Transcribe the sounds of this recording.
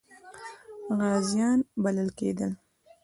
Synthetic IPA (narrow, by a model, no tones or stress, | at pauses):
ɣɑzjɑnbaləlkḛd̪əl